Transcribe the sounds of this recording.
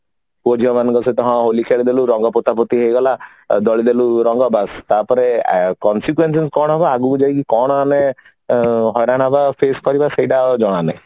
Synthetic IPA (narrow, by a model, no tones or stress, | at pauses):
kuɔd͡ʒiɔmanɔŋkɔset̪ɔɦãɦolikʰeɭid̪eluɾɔŋɡɔpot̪apɔt̪iɦejɡɔla | d̪ɔɭid̪eluɾɔŋɡɔbast̪apɔɾekɔnsikuwenseskɔɽ̃ɔɦɔbaːɡud͡ʒajkikɔɽ̃ɔane | ɦɔjɾaɽ̃abapʰeskɔɾibaseiʈad͡ʒɔɽ̃ane